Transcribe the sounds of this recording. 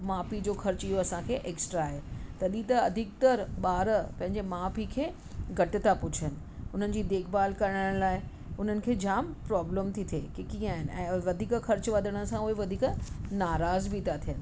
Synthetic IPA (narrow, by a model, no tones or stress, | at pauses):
maːpid͡ʑoːxɐɾt͡ɕiɦoɐsãkʰeːʔeːksʈɾaːɦet̪ɐɗit̪ɐɐd̪ʱɪk̚t̪ɐɾɓaːɾəpɐ̃ɦɪ̃ɲ̆d͡ʑemaːpikʰeː | ɡʱɐʈɪt̪ʰapʊt͡ɕʰənɪ̆ʊn̤ənɪ̆d͡ʑiːd̪eːkʰbaːlkɐɾəɽə̃ɽ̃laːɪ | ʊn̤ənɪ̆kʰeːd͡ʑaːmpɾɔːbləmt̪ʰit̪ʰeːkekiːə̃aːɦɪnɪ̆ɛ̰̃ːʋɐd̪ʱiːkxɐɾt͡ɕʋɐd̪ʱəɽ̃ə̆sãʊɦeʋɐd̪ʱiːknaːɾaːzbit̪ʰat̪ʰijənɪ̆